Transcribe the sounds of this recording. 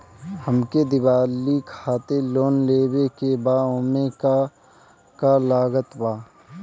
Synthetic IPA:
həmked̪ɪbaːlikʰaːt̪eloːnleːwekebaːoːmek | kalaːɡət̪baː

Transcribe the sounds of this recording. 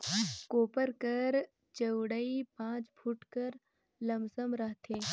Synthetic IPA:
koːpəɾkəɾ | t͡ʃəwɽəipãːt͡ʃbʰʱuʈkəɾ | lɐmsəmɾɐɦt̪ʰeː

